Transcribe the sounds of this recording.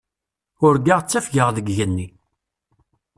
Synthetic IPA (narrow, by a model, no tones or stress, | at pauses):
ʊɾɡaʁt͡sːæfɡəʁðəɡʝənːi